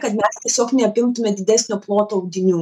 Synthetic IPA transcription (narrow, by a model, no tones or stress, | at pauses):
kɐt̪mʲɛst̪ʲiɛsʲoːknʲɛɐpʲɪmt̪ʊmʲɛd̪ʲɪd̪ʲæsʲnʲoːplˠoːt̪oːɐʊɡʲɪnʲuː